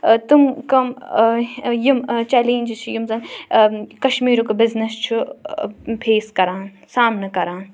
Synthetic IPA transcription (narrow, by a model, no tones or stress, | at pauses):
t̪umkɐm | jimt͡ʃɛːleːnʲd͡ʒt͡ʃʰujimzɐn | kɐʃmiːɾukɐbɪznɐst͡ʃʰu | pʰeːskɐɾaːn | saːmnɐkɐɾaːn